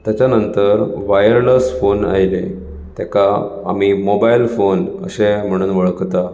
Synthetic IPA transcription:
t̪jat͡ɕjanənt̪əɾʋajəɾləsfona̰ɦjle | t̪eka̰ːm̤imobailfonə̰ɕem̤əɽ̃uːnʋəɭkt̪a

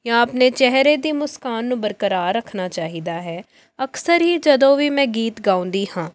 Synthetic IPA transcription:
jãːəpneːt͡ʃɛɦɾeːd̪iːmʊskaːnːũːbəɾkəɾaːɾːəkʰnaːt͡ʃaːɦiːd̪aːɦɛː | əksəɾɦiːd͡ʒəd̪õːʋiːmɛ̃ːɡiːt̪ɡãːʊ̃nd̪iːhãː

